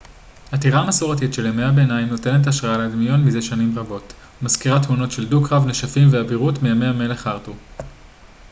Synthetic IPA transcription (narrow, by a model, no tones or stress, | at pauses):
hatiʁamasuʁatitʃe̞lemeabeenajimno̞te̞net̬aʃʁaaleadmijo̞nmizeʃanimʁabo̞t | maskiʁathuno̞tʃe̞ldukʁavneʃafimveabiʁutmiameame̞le̞χaʁtu